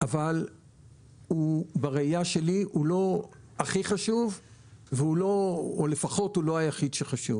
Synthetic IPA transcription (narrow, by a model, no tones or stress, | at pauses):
ʔaval | ubaʁeijaʃe̞liʔulo̞ | aχiχaʃuvveuloːle̞faχo̞tulo̞ajaχid̪ʃeχaʃuv